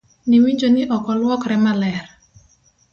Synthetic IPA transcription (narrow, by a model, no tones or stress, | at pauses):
niwiɲd͡ʒoniʔɔkɔlwɔkɾɛmalɛr